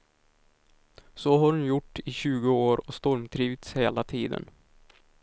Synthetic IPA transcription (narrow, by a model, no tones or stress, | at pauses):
sɔɦaɖɵnjʊʈːɪɕʉ̟ːɡʊoːɾɔst̪ɔɾmt̪ʰɾiːvɪt̪sheːlat̪ʰiːd̪ə̰n